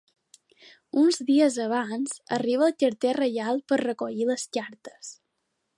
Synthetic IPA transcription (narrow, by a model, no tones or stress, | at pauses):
unzðiəzəβ̞anzəriβ̞əːlˠkəɾt̪erəjalˠpərrəkoʎiləskaɾt̪ə̥s